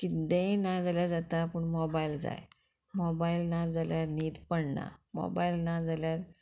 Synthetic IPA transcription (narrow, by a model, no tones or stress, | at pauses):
kid̪ẽnad͡zaljad͡zat̪apəɳmɔbaild͡za̰j | mɔbailnad͡zaljaɾniːd̪pəɽna̰mɔ̰ba̰ilnad͡zaljaɾ